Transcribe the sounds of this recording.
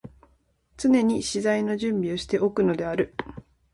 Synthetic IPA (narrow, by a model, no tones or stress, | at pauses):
t͡sɨne̞ɲ̟iɕizaino̞ʑɨ̃mbʲioɕi̥t̪e̞ʔo̞kɯ̟no̞d̪e̞aɾɯ̟